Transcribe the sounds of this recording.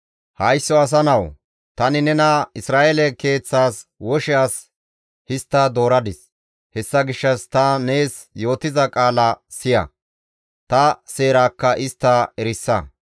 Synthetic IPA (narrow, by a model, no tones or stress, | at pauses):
hɐjsːɔɐs̬ɐnɐw | t̪ɐnɪnɛnɐɪsɾaːʔelɛke̞ːt͡sːaːswɔʃɛaːs | hɪst̪ːɐd̪o̞ːɾɐd̪ɪs | hɛsːɐɡɪʃːɐst̪ɐne̞ːsjo̞ːt̪ɪzɐkʼaːlɐsɪjɐ̰ | t̪ɐse̞ːɾaːkːɐʔɪst̪ːaɛɾɪsːɐ̰